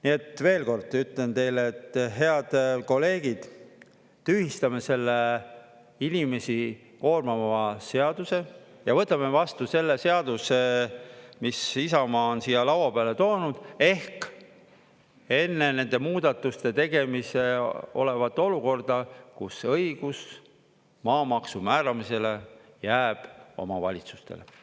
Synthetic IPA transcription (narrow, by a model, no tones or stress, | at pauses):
niet̪ːˑve̞ːlko̞rd̪yt̪lent̪e̞jleːt̪ːɦe̞ɑd̪̥ko̞lːe̞ːɡ̥id̪̥ | t̪yhist̪ɑme̞se̞lːe | inime̞si | ko̞ːrmɑmɑse̞ɑd̪̥use̞ | jɑvɤt̪ːˑɑme̞vɑst̪use̞lːese̞ɑd̪̥use | misisɑmɑːonsijɑlɑwwɑpeɑlet̪o̞ːnud̪̥e̞hk | e̞nːe̞ne̞nd̪e̞muːd̪̥ɑt̪ːˑust̪e̞t̪e̞ɡe̞mise̞o̞̰le̞vɑt̪ːˑo̞luko̞rd̪̥ɑkusɤiɡ̥us | mɑːmɑksumæːɾɑmise̞le̞jæːb̥o̞̰mɑvɑ̰lʲit̪su̥st̪e̞̰lḛ